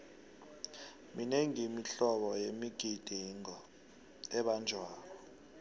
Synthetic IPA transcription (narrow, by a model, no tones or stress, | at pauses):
mineŋimiɬɔɓɔjemiɡ̥ʱid̥ʱiŋɔ | ɛɓand͡ʒʱwaːkɔ